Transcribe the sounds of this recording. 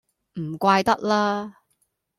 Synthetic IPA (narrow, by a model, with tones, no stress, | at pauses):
m̩˨˩kʷaː˧jt̪ɐ˥k̚laː˥